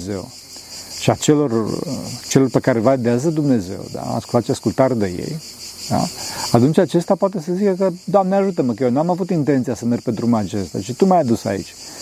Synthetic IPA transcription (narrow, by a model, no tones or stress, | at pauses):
ze̞̰w | ʃiat͡ʃe̞lo̞rt͡ʃe̞lo̞rpe̞kaɾe̞vad̪eazəd̪umne̞ze̞̰wd̪a̰a̰skult̪at̪ʃiaskult̪aɾd̪ejḛj | d̪a̰at̪unt͡ʃʲat͡ʃe̞st̪apwat̪e̞s̬əzikəkəd̪oamneaʒut̪əmək̬əjenuamavut̪int̪e̞nt̪siasəmer̚ʲped̪ɾumat͡ʃest̪a̰t͡ʃit̪umajad̪usa̰ḭt͡ʃʲ